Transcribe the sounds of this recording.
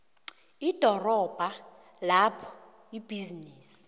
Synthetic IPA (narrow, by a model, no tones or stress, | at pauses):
id̥ʱɔrɔb̥ʱa | lapʰɔ̥ | ib̥ʱizinɛːsi̥